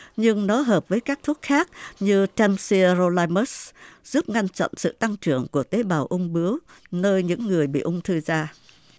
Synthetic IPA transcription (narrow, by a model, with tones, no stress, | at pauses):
ɲɨ˧ŋnɔ˨˦ɦəː˨˩p̚vəː˨˦jkaː˦˥k̚t̪ʰu˦˥ət̚xaː˦˥k̚ɲɨ˧t͡ɕɛ˧msi˧əzo˧laː˧mə˦˥sz̥u˦˥p̚ŋa˧jnt͡ɕɔ̰˧˨nsɨ̰˧˨t̪a˧ŋt͡ɕɨ˧˩əŋku˧˩ət̪e˨˦ɓaː˨˩wʔʊ˧wŋ͡mɓɨ˨˦əwnəː˧jɲɨ̰˧˥ŋːɨ˨˩əjɓḭ˧˨ʔʊ˧ŋ͡mt̪ʰɨ˧zaː˧